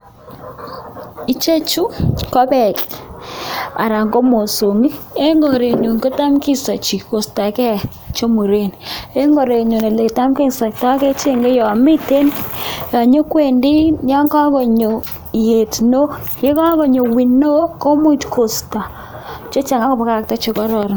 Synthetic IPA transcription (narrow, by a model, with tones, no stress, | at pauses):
i˨t͡ʃe˦t͡ʃu˦kɔ˦bɛ˨k | a̰˨ɾa˨ŋɡo˦mo˨so˨ŋi˦e˦ŋɡo˨ɾe˨ɲu˨ŋko˦ta˦mki˦sa˨t͡ʃi˨ko˨sta˨kɛ˦ | t͡ʃo˦mu˨ɾe˦˨ne˦ŋɡo˨ɾe˨ɲo˨ne˨le˨ta˦mki˦sa˨k̚tɔ˦kɛ˦t͡ʃe˦˨ŋɡe˦jɔ˨a˨mɪ˦te˦nja˨ɲo˦kwe˨ndi˦ɲa˦ŋɡa˦ko˨ɲo˨ | je˨tno˦ | je˦ka˦ko˨ɲo˨wi˨no˦ko˦mu˦tkʰo˨sta˨ | t͡ʃo˦t͡ʃa˨ŋa˦kɔ˦˨pa˦ka˦˨k̚ta˦t͡ʃo˨kɔ˦ɾɔ˨ɾ